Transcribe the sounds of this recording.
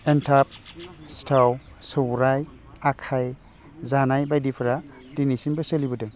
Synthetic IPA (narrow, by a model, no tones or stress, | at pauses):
entʰap̚stʰaw | sɔwɾaj | akʰaj | zanajbajdipʰɾa | dinisinbaselibɔde